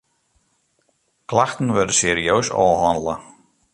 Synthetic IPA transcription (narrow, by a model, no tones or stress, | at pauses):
kʰlˠaxt̪n̩vɛɾd̪əsɛɾiœɥsɔ̰ɦɔnd̪la